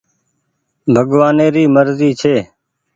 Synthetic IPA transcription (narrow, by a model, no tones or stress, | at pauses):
bʱəɠʋaːneːɾiːməɾziːt͡ʃʰeː